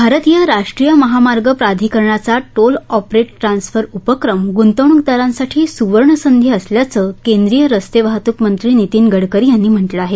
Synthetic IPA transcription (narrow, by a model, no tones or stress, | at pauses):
bʱaɾət̪ijəɾaʂʈɾijəməɦamaɾɡəpɾad̪ʱikəɾɳat͡saʈolɔpɾeʈːɾansfəɾupəkɾəmɡunt̪əʋɳukd̪aɾãnsaʈʰiːsuʋəɾɳəsənd̪ʱjiəsljat͡səkend̪ɾijəɾəst̪eʋaɦt̪ukmənt̪ɾiːnit̪iːnɡəɽkəɾijanːiːm̤əɳʈləaɦe